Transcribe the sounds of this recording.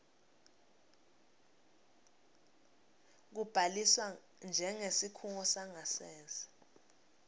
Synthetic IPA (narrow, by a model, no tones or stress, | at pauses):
k̬ub̥ʱaliswa | nd͡ʒʱɛŋesikʰuŋɔsaŋasɛːnd͡zʱḁ